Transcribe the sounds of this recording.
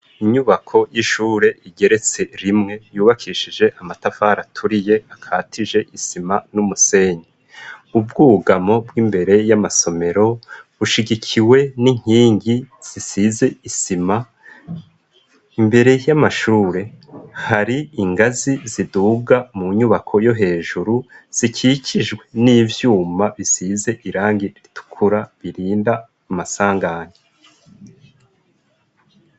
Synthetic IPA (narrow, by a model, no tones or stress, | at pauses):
iɲuβakʰo̞jiʃuːɾe̞ʔiɡe̞ɾe̞t͡se̞ɾimŋe̞juːβakʰiːʃid͡ʒe̞ʔamatafaːɾatʰuɾije̞akʰaːtʰiʒe̞ʔisimanumuse̞ːɲi | ubɡuːɡamo̞bwiːmbe̞ɾe̞jamaso̞me̞ɾo̞βuʃiɟikʰiwe̞niŋ̥hiːŋɡiz̥isize̞isima | imbe̞ɾe̞jamaʃuːɾe̞haɾiiŋɡaziziduːɡamuɲuβakʰo̞jo̞ɦe̞ːʒuɾuz̥icʰicʰiʒɡwe̞niːvjuːmaβisize̞ʔiɾaːŋɡiɾɾitu̥kʰuɾaβiɾiːnda | masaːŋɡaːɲe